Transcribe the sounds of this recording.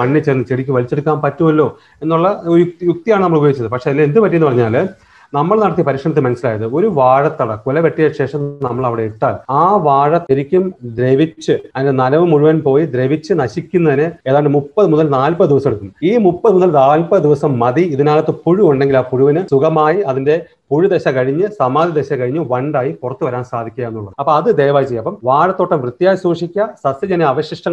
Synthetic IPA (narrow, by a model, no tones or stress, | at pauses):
ɐɳːit͡ɕːeːrnːɨt͡ɕeɽikʲːuʋɐlit͡ɕːe̞ɽukʲːaːnpɐtːumɐlːo̞ː | e̞nːuɭːɐjjuk̚t̪ijaːɳɨnɐmːɐɭubɐjoɡit͡ɕːɐðɨpɐkʂeːɐlːend̪ɨpɐtːijɐnːɨpɐrɐɲːaːl | nɐmːɐɭnɐɽɐt̪ijɐpɐɾiːkʂɐɳɐt̪ːemɐnɐsːilaːjɐðɨo̞ɾuʋaːɻɐt̪ːɐɽɐkːulɐʋeʈːijɐɕe̞ːʂɐmnɐmːɐɭɐʋiɽe̞iʈːaːlaːʋaːɻɐt̪ːeɾikʲːumd̪ɾeʋit͡ɕːɨɐðindenɐnɐʋɨmuɻuʋɐnpo̞ːjid̪ɾeʋit͡ɕːɨnɐɕikʲːunːɐðinɨe̞ːðaːɳɖɨmupːɐðɨmunːɐlnaːlpɐðɨd̪iʋɐsɐmeɽukːunːɨiːmupːɐðɨmunːɐlnaːlpɐd̪iʋɐsɐmːɐðiiðinaːlɐt̪ːɨpuɻuoɳɖe̞ŋɡilaːpuɻuʋɐnɨsuɡɐmaːjiɐðinde̞ | puɻud̪eɕɐkɐɻiɲːɨsɐmaːd̪id̪eɕɐkɐɻiɲːɨʋɐɳɖaːjipurɐt̪ːuʋɐɾaːnsaːd̪ʱikʲːujɐenːuɭːɐðɐpːoɐðɨd̪ejʋaːjit͡ɕejːɐpːɐmʋaːɻɐt̪ːoːʈːɐmrɨt̪ːjaːjisuːʂikʲːɐsɐsjɐd͡ʑɐneɐʋɐɕiʂʈɐŋ